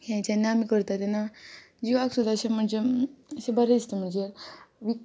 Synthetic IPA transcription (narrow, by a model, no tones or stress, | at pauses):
ɦjãt͡ɕanːaamikəɾt̪at̪ena | d͡ʑiʋaksud̪ʱaɕem̤əɳd͡ʑeəsebəɾed̪ist̪em̤əɳd͡zeʋi